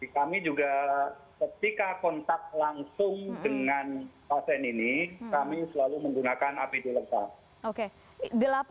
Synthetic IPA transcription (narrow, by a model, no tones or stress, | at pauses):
ikamid͡ʒuɡakət̪ikakɔnt̪ak̚laŋsʊŋdəŋanpasɛninikamisəlaluməŋɡunakanapidilət̪ak̚ | oke | dəlap